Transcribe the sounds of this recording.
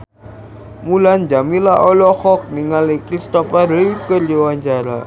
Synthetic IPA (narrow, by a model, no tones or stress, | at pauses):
muland͡ʒamilaʔɔlɔxɔk̚niŋalekɾist̪ɔpaɾəikərd͡ʒowaɲt͡ʃaɾa̰